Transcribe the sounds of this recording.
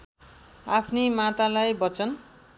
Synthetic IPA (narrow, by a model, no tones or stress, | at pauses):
apʰnimat̪alajbʌt͡sʌn